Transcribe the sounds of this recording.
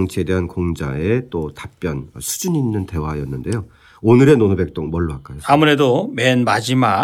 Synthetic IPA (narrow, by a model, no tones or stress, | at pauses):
ŋt͡ɕʰede̞ɦankoŋd͡ʑa̰et͈otap͈jʌnʌsʰu̥d͡ʑuɲinːɯnte̞wajʌnːɯnde̞jo | onɯɾe̞nonobe̞k̚t͈oŋmʌɭːoɦak͈ajoamuɾe̞domenmad͡ʑima